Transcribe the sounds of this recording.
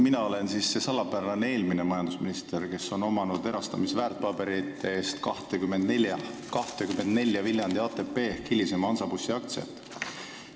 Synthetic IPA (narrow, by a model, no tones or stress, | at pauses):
minɑo̞le̞nsiːsːe̞sɑlɑpævɑneeːlminemɑjɑnd̪usminist̪erke̞so̞no̞mɑnud̪e̞ɾɑst̪ɑmisvæːrt̪̚pɑb̥e̞ɾit̪ːˑeeːst̪kɑht̪ekyme̞nd̪neljɑkɑht̪ekymːe̞nd̪ne̞lʲjɑvilʲjɑnd̪̥iɑːt̪ːˑe̞pːe̞ːhkːilːisemɑnsɑbusːiɑkt̪sḛt̪ːˑ